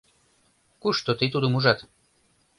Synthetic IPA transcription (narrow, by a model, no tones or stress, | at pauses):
kuʃt̪ot̪it̪ud̪umuʒɑt̪